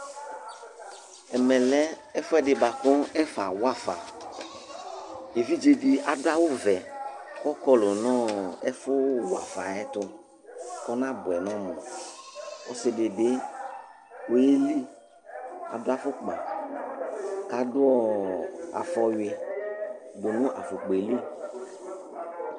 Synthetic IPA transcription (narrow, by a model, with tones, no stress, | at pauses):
ɛ˨mɛ̃˨lɛ˦ | ɛ˦fʊ˦ɛ˦dɪ˨ba˨kɔ̃˦ɛ˦fa˨wa˦fa̰˨ | e˨vi˦d͡ʒe˨di˨a˨dʊ˦a˦wʊ˦vɛ˨kɔ˦kɔ˦lʊ˨nɔ̃˦ɛ˦fʊ˦wa̰˨fa˨ɛ˦tʊ˧ | kɔ˦nã˦bʊ˨ɛ˨nɔ̃˦mɔ̃˨ | ɔ˦sɪ˧de˨de˨˦ | o˨e˦li˦ | a̰˨dʊ˦a˦fʊ˦k͡pa˨ | ka˨dʊ˦ɔ˦a̰˨fɔ˧je˨ | ɡ͡bo˨nʊ̃˦ʔa̰˨fʊ˨k͡pe˨li˦